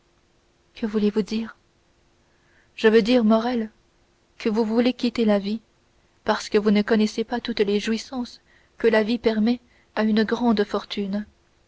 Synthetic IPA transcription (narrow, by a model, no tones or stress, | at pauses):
kʰəvulevud̪iːʁ | ʒəvød̪iːʁmɔʁɛl | kʰəvuvulekʲit̪elavi | paʁsə̥kəvunəkɔnɛsepat̪ut̪leʒuisɑ̃s | kəlavipɛʁmɛ | aynəɡʁɑ̃d̪fɔʁt̪ʰyn